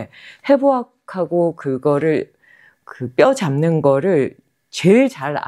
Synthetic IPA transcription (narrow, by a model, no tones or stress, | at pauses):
he̞boakkʰaɡokɯɡʌɾɯɭ | kɯp͈jʌd͡ʑamnɯnɡʌɾɯɭ | t͡ɕeɭt͡ɕaɾa̰